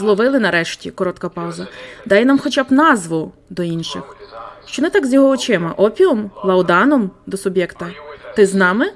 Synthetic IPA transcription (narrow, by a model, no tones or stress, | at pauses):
zlˠɔʋɪlˠɪnɐɾɛʃtʲikɔɾɔt̪kɐpɑʊzɐd̪ɑjɛnɑmxɔt͡ʃabnɑzʋʊd̪ɔinʃɪxʃt͡ʃɔnɛt̪ɑɡzʲjɔɦɔɔt͡ʃɪmɐʔɔpʲiɔmlˠɐwd̪ɑnɔmd̪ɔsʊbʲjɛkt̪ɐt̪ɪznɑmɪ